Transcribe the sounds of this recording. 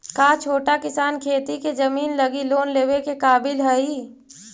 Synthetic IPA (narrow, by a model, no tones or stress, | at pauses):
kaːt͡ʃʰoːʈakɪsaːnkʰeːt̪iked͡ʒɐmiːnlɐɡiloːnleːwekekaːbɪlɦɛi